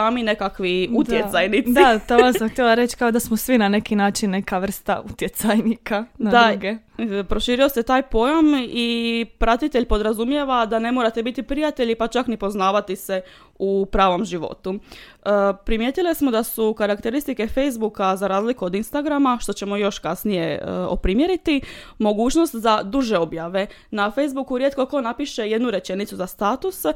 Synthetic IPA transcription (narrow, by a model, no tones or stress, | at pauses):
aːmine̞kakʋiut̪jesajnit̪sit̪oasamxt̪jelˠaɾet͡ʃkaod̪asmosʋinane̞kinaːt͡ʃinːe̞kaʋr̩st̪a̰ut̪jet̪sajnikadnad̪aɡe | pɾo̞ʃiːɾio̞se̞t̪aːjpo̞jamipɾat̪it̪eʎpo̞d̪ɾazumje̞ʋad̪ane̞moɾat̪e̞bit̪ipɾijat̪e̞ʎipat͡ʃaknipo̞znaːʋat̪ise̞ | upɾaːʋo̞mʒiʋo̞̰t̪u | pɾimjeːt̪ilesmo̞d̪asukaɾakt̪eɾist̪ike̞fe̞jzbukazaɾaːzlikuo̞d̪inst̪aɡɾamaʃt̪o̞t͡ɕe̞mo̞jo̞ʃkasnije̞o̰pɾimje̞ɾit̪i | mo̞ɡuːt͡ʃno̞st̪zad̪uʒe̞o̞bjaʋe̞ | nafejzbukuɾje̞t̪̚ko̞ko̞napiʃe̞je̞d̪nuɾe̞t͡ʃe̞nit̪suzast̪aːt̪us